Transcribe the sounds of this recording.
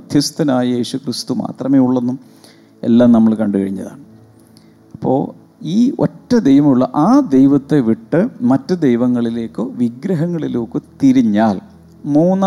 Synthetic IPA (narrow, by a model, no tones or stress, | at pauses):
d̪ʱjɐst̪ɐnaːjɐje̞ːɕukrist̪uma̰ːt̪rɐmeːjuɭːenːum | e̞̰lːaːmnɐmːɐɭkɐɳɖuɣɐ̰ɻiɲːɐ̰ða̰ːɳɨ | ɐpːo̞̰ː | iːo̰tːɐd̪ejʋɐmuɭːɐ̰ʔaːd̪ejʋɐt̪ːeʋiʈːɨmɐtːɨd̪ejʋɐŋːɐɭile̞ːkːoʋiɡɾɐɦɐŋːɐɭilukːɨt̪iɾiɲːaːl | muːnː